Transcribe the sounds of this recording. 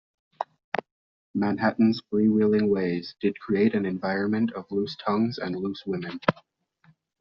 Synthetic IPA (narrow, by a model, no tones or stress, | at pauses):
mæ̃nɦæʔn̩z̥fɹiwɪlˠɪ̃ŋweɪzdɨd̚kʰɹ̥ieɪɾɨ̃nɨ̃ɱvaɪɹɨ̃nmɨ̃ntʰʌvlustʰʌ̃ŋzɨ̰̃nluswɪ̃mɨ̃n